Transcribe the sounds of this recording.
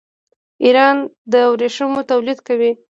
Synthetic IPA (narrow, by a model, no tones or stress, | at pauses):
iɾɑnd̪əawɾeʂəmot̪awlid̪kawi